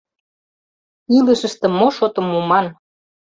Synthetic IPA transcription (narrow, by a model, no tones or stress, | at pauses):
iləʃə̆ʃt̪eə̆moʃot̪ɤ̆mːumɑn